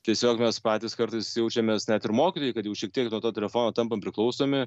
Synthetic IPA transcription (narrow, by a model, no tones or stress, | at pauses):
t̪ʲiɛsʲoːkmʲɛspɑːt̪ʲɪːskɐɾt̪ɐɪsjɛʊt͡ʃʲɛmʲeːsnʲæt̪ɪɾmoːkʲɪt̪oːjɪkɐt̪jɛʊʃʲiɛk̚t̪ʲiɛknuɔt̪oːt̪ʲɛlʲɛfoːnoːt̪ɐmpɐmpʲɾʲɪklˠɐʊsoːmʲɪ